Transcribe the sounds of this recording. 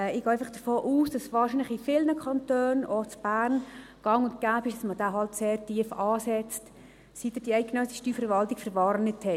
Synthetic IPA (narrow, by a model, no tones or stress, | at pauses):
ɛɪɡ̥ɑːæɪfɑχd̥əfoːʔuːsd̥ɑsʋɑːɾrʃiːnləχifɪlnəkʰɑntøːnot͡sb̥æːrnɡ̥ɑŋʊnt̚ɡ̥æːpɪʃd̥ɑsməd̥aːɦɑltseːɾtiəfɑːsɛt͡st | sit̪ːəd̥iɛɪɡ̥enœsɪʃtyːfɛɾʋɑltikfəɾʋɑɾnɪthɛ